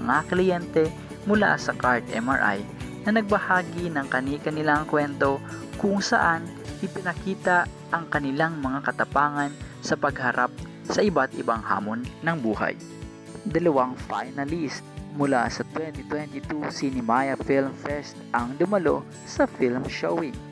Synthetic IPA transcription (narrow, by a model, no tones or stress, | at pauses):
mɐŋaklɪjɛnt̪ɛ | mʊla̰sɐkaɹt̪ɛ̰ma̰ɹʔa̰jnɐnɐɡ̚bɐhaːɡinɐŋkɐnikɐnɪlaŋkwɛnt̪o̞kʊŋsɐʔan | ʔɪpɪnɐkiːt̪ɐ | ʔɐŋkɐnɪlaŋmɐŋakɐt̪ɐpaːŋɐn | sɐpɐɡ̚hɐɾʔap̚ | sɐʔɪbat̪ʔɪbaŋha̰ːmonːɐŋbuːha̰j | d̪ɐlɐwaŋfa̰jnɐlist̪mʊla̰sɐt̪wɛnt̪it̪wɛnt̪it̪usinɪmajɐfilmfɛst̪ʔɐŋd̪ʊmɐlo̞̰ | sɐfilmʃowɪŋ